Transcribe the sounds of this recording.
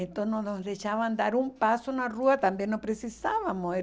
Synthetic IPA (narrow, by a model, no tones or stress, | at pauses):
ent̪ononoðeʃaβand̪aɾumpasonaruat̪ambjenopɾesisaβamoe